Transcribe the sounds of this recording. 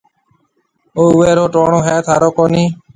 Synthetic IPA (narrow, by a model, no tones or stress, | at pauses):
oːʊʋeːɾoːʈoːɳõːɦɛːt̪ʰaːɾoːkoːniː